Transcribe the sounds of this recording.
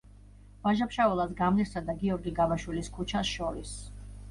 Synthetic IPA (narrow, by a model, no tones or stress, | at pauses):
v̥aʒapʃaɔlˠasɡamliɾsad̪aɡiɔɾɡiɡavaʃwiliskʰut͡ʃʰasʃɔɾis